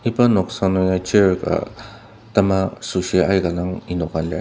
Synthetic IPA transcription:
ipanoksanojat͡ʃeka̰ | t̪amasuʃeʔajɡalaŋinokale

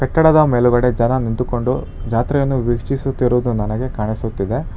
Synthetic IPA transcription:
kɐʈːɐɽɐd̪ɐmeːluɡɐɽe̞d͡ʒɐnɐnind̪uko̞ɳɖu | d͡ʒaːt̪ɾɛjɐnːuʋikʂisut̪ːiɾuːd̪unɐnɐɡe̞kaːɳisut̪ːid̪e̞

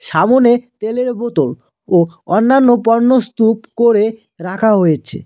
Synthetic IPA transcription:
ʃamonet̪eleɾbot̪ol | oɔnːanːopɔɾnost̪upkoɾe | ɾakʰaɦojet͡ɕʰḛ

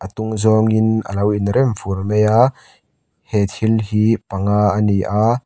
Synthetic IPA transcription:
ʔət̪uŋzɔŋɪnə̰lɐwinɾɛmfurmeja | hɛt̪ʰilhipɐŋaːəniʔa

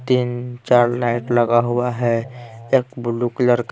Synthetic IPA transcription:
t̪iːnt͡ʃaːɾlaɪʈləɡaɦuaɦɛeːk̚bʊlukləɾk

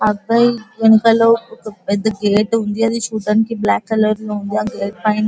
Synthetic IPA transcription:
ɐɡaienkɐloɪd̪ɡeːʈɦũːnd̪ijãd̪iʃuːʈənkʰeːblɛːkːɐləɾlɦũːnd̪ijãɡeːʈ̚pãːɪ̃n

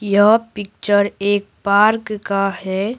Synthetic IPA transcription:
jəɦpɪk̚t͡ʃəɾeːk̚paːɾkkahɛː

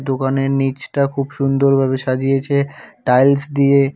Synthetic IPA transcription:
d̪okaneɾnit͡ɕʈakʰubʃund̪oɾbʱaβeʃad͡ʑijet͡ɕʰeʈajlsd̪ie

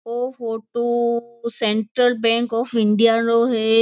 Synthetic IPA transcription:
oːfoːʈusẽɳʈɾəlbɛ̃ːŋkɔːfɪ̃ɳɖijaɾoɦɛ

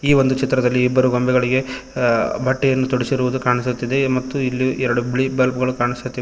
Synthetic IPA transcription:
iːʋond̪ut͡ʃit̪ɾɐd̪ɐlːiːbːɐɾuɡɐmbʱɛɡɐɭiɡe̞ | bʱɐʈːɛjɐnːut̪ɔɽisiɾuʋud̪ukaːɳisut̪ːid̪emɐt̪ːuilːiɛɾɐɽubiɭibɐlbɐɡɐɭukaːɳisut̪ːi

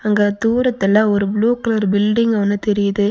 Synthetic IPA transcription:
ɐŋɡɐd̪uːɾɐt̪ːɛlːãːɔɾɯbluːklːɾɯbɪlɖɪŋɡɐʋɐnːɯt̪ɛɾɪjɐðɯ

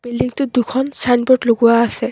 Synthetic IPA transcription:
b̥elːiŋt̪ud̪ukʰɔnsanbɔʈloɡuwaːsɛ

